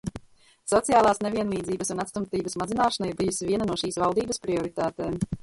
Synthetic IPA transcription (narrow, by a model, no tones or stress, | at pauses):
sɔt̪sijaːlˠaːsneviɛnlˠiːd̪ziːbɐsunat̪st̪umt̪iːbəsmazinaːʃɐnaiɾbijusiviɛnɐnuɔʃiːsvalˠd̪iːbəspɾiɔɾit̪aːt̪eːm